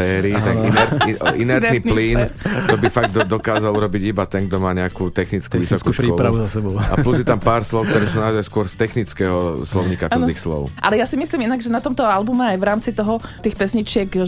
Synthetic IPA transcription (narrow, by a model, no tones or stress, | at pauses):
ɛːɾiːt̪ɛkinɛɾiinɛɾt̪ɛniːpliːnt̪ɔbifaɡ̚d̪ɔd̪ɔkaːzaluɾɔbiɟibat̪ɛnɡ̚d̪ɔmaːɲɛakuːt̪ɛxnit͡skuʋisɔkkusɾɔɾauzasɛbɔʊa̰pluzjɛt̪ampaːɾslɔʊk̚t̪ɔɾɛːsuːnaɔzajskʊɔɾst̪ɛxnit͡skɛːɦɔslɔʊɲiːkat̪ɔt̪iːxslɔ̰ʊʔalɛjasimisliminaɡʒɛnat̪ɔmt̪ɔalbumɛajʋɾaːmt͡sit̪ɔɦɔt̪iːxpɛsɲit͡ʃɪɛk